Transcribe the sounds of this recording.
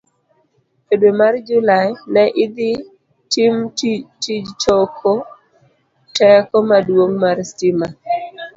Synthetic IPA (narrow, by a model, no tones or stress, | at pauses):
pedwemard͡ʒʊlajnɛʔɪd̪ɪ | timtid͡ʒtokʰo | tɛkɔmadwoŋmaɾstɪma